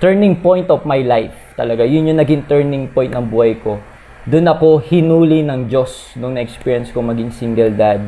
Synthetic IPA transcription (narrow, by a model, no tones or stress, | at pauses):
t̪ɛɹnɪ̃ŋpõjnt̪ofmajlajf | t̪ɐ̰lɐɡajʊnjʊŋnɐɡɪŋt̪ɛɹnɪŋpoj̃nt̪̚nɐŋbuːhɐjko̞ | d̪ʊnɐko̞hɪnuːlinɐŋd͡ʒo̞s | nʊŋnɐʔɛkspiːɹjɛnskomɐɡiŋsiŋɡɛld̪ad̪̚